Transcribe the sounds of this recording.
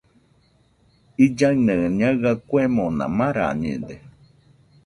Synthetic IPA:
id͡ʒaɰnə̃ɲaɣakuemonã̰mãɾa̰ɲḭ̃d̪e

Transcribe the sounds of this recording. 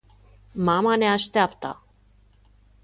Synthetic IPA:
mamane̞aʃt̪eapt̪ə̰

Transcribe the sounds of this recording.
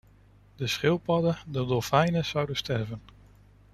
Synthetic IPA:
dəsχɪlˠpɑdədədɔfɛjnəz̥ɑwdənstɛrvən

